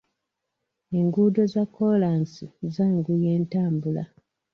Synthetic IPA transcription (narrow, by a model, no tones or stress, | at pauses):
eŋɡuːdo̞zakːolaːnsizaːŋɡuje̞ːntaːmbula